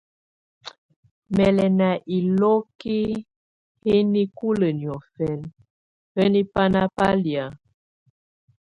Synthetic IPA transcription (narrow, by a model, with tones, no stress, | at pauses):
mɛ˨lɛ˨na˨ʔi˨lɔ˦ki˦ | he˦ni˦ku˦lə˨njɔ˨fɛ˨n | hə˦ni˦pa˦na˦pa˦lja˨